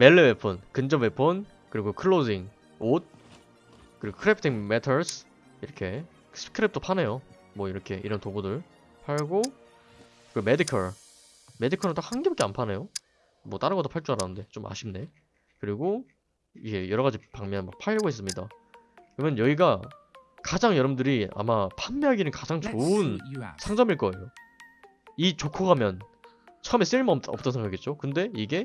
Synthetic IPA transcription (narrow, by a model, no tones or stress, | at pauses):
meɭːewepʰʌnkɯnd͡ʑʌbepʰɯn | kɯɾiɡokʰɯɭːod͡ʑiŋ | ot̚ | kɯɾiɡokʰɯɾepʰtʰiŋmetʰʌɭsʰ | iɾʌkʰe̞ | sʰɯ̥kʰɯɾep̚t͈opʰane̞jo | mwʌiɾʌkʰe̞ʔiɾʌntoɡudɯɭ | pʰaɭɡo | kɯmedikʰʌɭ | me̞dikʰʌɾɯnt͈ak̚haŋɡebakeanpʰane̞jo | mwʌt͈aɾɯnɡʌt͈opʰaɭt͡ɕ͈uaɾanɯnde̞t͡ɕomʔa̰ɕʰimne̞ | kɯɾiɡo | iɡe̞jʌɾʌɣad͡ʑipaŋmjʌnnma̰k̚pʰaɭːʌɡoɦes͈ɯmɲida̰ | kɯɾʌmjʌnjʌiɡa | kad͡ʑaŋjʌɾʌmdɯɾia̰mapʰamːeaɡinɯnkad͡ʑaŋt͡ɕoɯnsʰaŋd͡ʑʌmiɭk͈ʌe̞̰jo | it͡ɕokʰoɡamjʌn | t͡ɕʰʌɯme̞s͈ɯimaʌp̚t͈ʌnsʰeŋɡakiet̚t͡ɕ͈okɯnde̞iɡe̞